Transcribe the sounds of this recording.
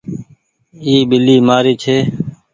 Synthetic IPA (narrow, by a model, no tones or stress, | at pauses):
iːbɪliːmaːɾiːt͡ʃʰeː